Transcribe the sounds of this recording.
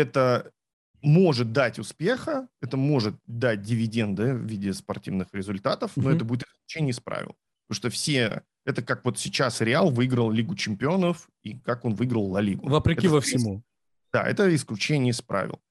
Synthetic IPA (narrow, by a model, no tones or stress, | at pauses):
ɛt̪ə | mo̞ʐɨt̪̚d̪atʲʊspʲe̞xəɛt̪əmo̞ʐɨt̪̚d̪at̚ʲdʲɪvʲɪdʲe̞nd̪ɨvvʲidʲɪspɐrtʲḭvnɨxɾʲɪzʊlʲt̪at̪əfnnoɛt̪əbudʲɪt̪ɨɪ̥sklʲʉt͡ɕenʲɪjəspɾa̰vʲɪ̰lˠ | t̪oʂt̪ofsʲe | ɛt̪əkakvo̞t̪sʲɪt͡ɕasɾʲɪalˠvɨɡɾəlˠlʲiɡʊt͡ɕɪmʲpʲɪo̞nəf | ikako̞nvɨiɡɾəlˠnɐlʲiɡʊvəpɾʲɪkʲivəfsʲɪmu | d̪̥a̰ɛ̰t̪əɪsklʲʉt͡ɕenʲɪjəspɾa̰vʲɪ̰lˠ